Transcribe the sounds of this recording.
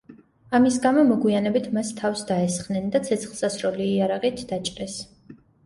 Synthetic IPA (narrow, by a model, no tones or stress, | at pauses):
amisɡamɔmɔɡwianɛbit̪ʰmast̪ʰːafsd̪aɛsχnɛnd̪at̪sʰɛt̪sʰχlˠsasɾɔliːaɾaʁit̪ʰd̪̥at͡ʃʼqʼɛs